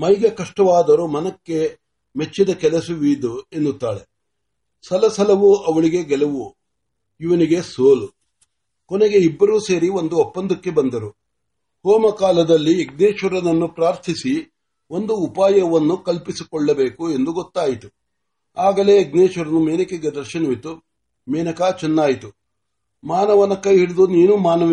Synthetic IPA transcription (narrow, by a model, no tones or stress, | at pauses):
mɐjɡɐkɐʂʈɐʋaːd̪ɐɾomɐnɐkːe̞ | met͡ʃːid̪ɐkɛlɐsuʋiːd̪ue̞nːut̪ːaːɭe | sɐlɐsɐlɐʋuɐʋɐɭiɡe̞ɡɛlɐʋu | iʋɐniɡe̞soːlu | kɔneɡe̞ibːɐɾuːse̞ːɾio̞nd̪uɔpːɐnd̪ukːe̞bɐnd̪ɐɾu | hoːmɐkaːlɐd̪ɐlːieɡ̚neːʃʋɐɾɐnɐnːupɾaːɾt̪ʰisi | ʔo̞nd̪uːpaːjɐʋɐnːukɐlpisikɔɭːɐbe̞ːkue̞nd̪uɡɔt̪ːaːjit̪u | aːɡɐle̞eɡneːʃɐɾɐnumeːnɐkeɡed̪ɐɾʃɐnɐʋit̪u | meːnɐkaːt͡ʃɛnːaːjit̪u | maːnɐʋɐnɐkːɐjɦiɽud̪uniːnumaːnɐʋ